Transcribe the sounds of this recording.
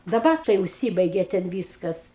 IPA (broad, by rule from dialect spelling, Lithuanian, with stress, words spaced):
dɐˈbɐr tɐɪ ʊʃʲˈsʲiːbɐɪɡʲeː tʲɛn ˈʋʲiːskɐs